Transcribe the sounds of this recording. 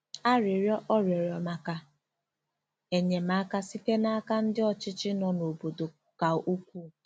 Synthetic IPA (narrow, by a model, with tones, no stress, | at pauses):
a˦ɾɪ˨ɾjɔ˦ʔɔ˦ɾjɔ˨ɾjɔ˨ma˨ka˨ | e˨ɲe˨ma˦ka˦si˦te˦na˦a˦ka˦n̩˦dɪ˦ɔ˨t͡ʃɪ˦t͡ʃɪ˦nɔ˦no˨bo˨do˨ | ka˨u˦kʷuː˦˨